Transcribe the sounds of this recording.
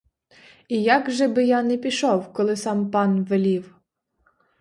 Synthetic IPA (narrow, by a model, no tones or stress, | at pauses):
ijɑɡʒɛbɪjɑnɛpʲiʃɔwkɔlˠɪsɑmpɑnʋelʲiw